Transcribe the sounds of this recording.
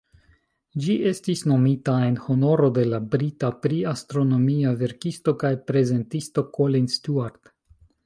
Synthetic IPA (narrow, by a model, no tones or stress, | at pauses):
d͡ʒiʔe̞stisno̞mitae̞nho̞no̞ɾo̞de̞labɾitapɾiastɾo̞no̞miave̞ɾkisto̞kajpɾe̞ze̞ntisto̞kolinstuaɾd